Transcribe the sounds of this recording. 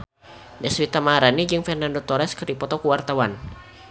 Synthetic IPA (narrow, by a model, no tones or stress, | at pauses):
dɛswit̪amaaɾanid͡ʒɨŋfɛrnandot̪ɔɾɛskərdipɔt̪ɔkuwart̪awan